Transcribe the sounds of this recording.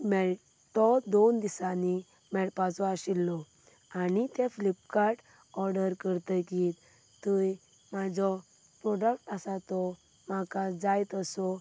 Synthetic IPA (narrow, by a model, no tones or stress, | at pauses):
mɛɭ | t̪ɔd̪ond̪isani | mɛɭpat͡sɔaɕilːɔ | anit̪eflipkaɾʈ | ɔɾɖəɾkəɾt̪əki | t̪uj | mad͡zɔ | pɾɔɖəkʈasat̪ɔ | makad͡zajt̪əsɔ